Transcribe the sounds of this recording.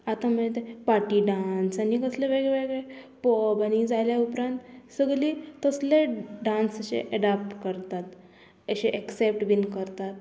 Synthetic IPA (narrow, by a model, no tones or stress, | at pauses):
at̪am̤ə̃et̪epaʈiɖãnsanikəsleʋeɡɭeʋeɡɭepɔbanid͡zajljaupɾãnt̪səɡlit̪əsleɖãnsəɕḛʔeɖap̚ʈkəɾt̪at̪ | əɕeʔɛksep̚ʈbinkəɾt̪at̪̚